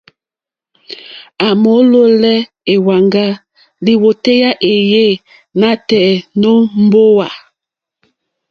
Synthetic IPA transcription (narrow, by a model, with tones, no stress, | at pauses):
a˨mo˨˦lo˦lɛ˦ | e˨wa˨ŋɡa˦ | li˨wo˨te˦ja˦ʔe˨je˦˨ | na˦tɛ˨no˦m̩˦bo˦wa˨